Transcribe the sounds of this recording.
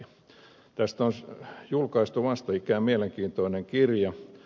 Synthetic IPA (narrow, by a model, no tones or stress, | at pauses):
t̪æst̪onsjulkɑist̪uʋɑst̪ɑikæːmieleŋkiːnt̪oineŋkirjɑ